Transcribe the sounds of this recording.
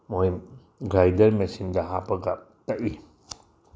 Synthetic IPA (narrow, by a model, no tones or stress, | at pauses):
moɦim | ɡɾajdɐɾmesindɐɦapɐɡa | tɐʔi